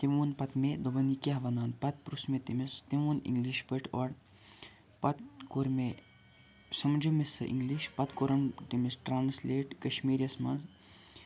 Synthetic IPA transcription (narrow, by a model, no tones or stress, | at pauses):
t̪imuːnpɐt̪med̪ɐbɐnikiaɦʋɐnaːnpɐt̪̚pɾusmet̪imist̪imuːnḭŋɡliʃpəʈʰoɾ | pɐt̪̚koɾme | sɐmd͡ʒumesɨ̰ʔḭŋɡliʃpɐt̪koɾɐmt̪imisʈɾaːnsleːʈkɐʃmiːɾijɐsmɐnz